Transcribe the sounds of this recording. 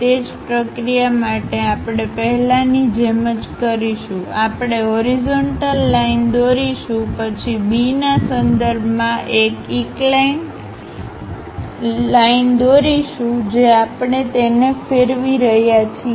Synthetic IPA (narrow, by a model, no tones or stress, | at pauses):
t̪ed͡ʒpɾəkɾijamaʈeapɽ̃epəɦɛlanid͡ʒeməd͡ʒkəɾiʃũapɽ̃eɦɔɾizoɳʈəlːaind̪oɾiʃũpət͡ʃʰibinasə̃nd̪əɾbʱmãʔekiklan | laind̪oɾiʃũd͡ʒeapɳet̪enefeɾʋiɾəɦjat͡ʃʰi